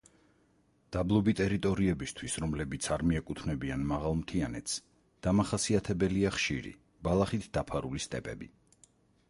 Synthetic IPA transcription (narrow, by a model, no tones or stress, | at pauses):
d̪̥ablˠɔbit̪ʼɛɾit̪ʼɔɾiɛbist̪ʰwisɾɔmlɛbit̪sʰaɾmiɛkʼut̪ʰnɛbianmaʁalˠmt̪ʰianɛt̪ʰs | d̪̥amaχasiat̪ʰɛbɛliaχʃiɾḭ | balˠaχit̪ʰd̪̥apʰaɾulist̪ʼɛpʼɛ̰bḭ